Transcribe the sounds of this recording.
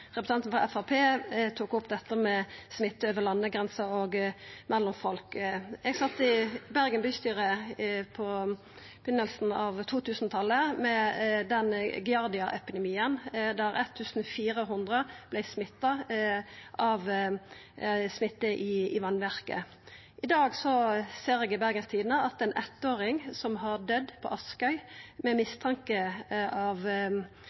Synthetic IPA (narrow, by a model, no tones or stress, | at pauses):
ʁɛpɾ̥ə̥sɑnt̪nfʁɑ̰ʔɛfɑpʰeːt̪ʰuːkʊp̚d̪ɛt̪ːəmɛsmɪt̪ːəøːʋəlɑnːəɡʁɛnsəoɡmʔɛlːʊmfɔlkɛɡsɑt̪ːɪbæʁɡənbyːst̪yːɾəpʰɔ | pʰʏnəlsn̩ɑʋt̪ʰuːt̪ʰʉːsn̩t̪ʰɑlːəmɛd̪ɛnɡɪɑʁd̪ɪɑʔɛpɪd̪ɛmiːənd̪æɾɛt̪ʰːʉːsn̩fiːɾəɦʊnd̪ʁəb̥læɪsmɪt̪ːɑ | ʔɑʋ | smɪt̪ːəʔɪɪʋɑnʋæʁkə̰ | ʔɪd̪ɑːɡsɔseːɾɛɡɪbæɾɡənst̪ʰiːd̪n̩əɑt̪ɛnʔɛt̪ːoːɾɪŋsɔmɦɑɾd̪œd̪ːpʰɔ̰ʔɑskœʏmɛmɪst̪ʰɑŋkəɑʋ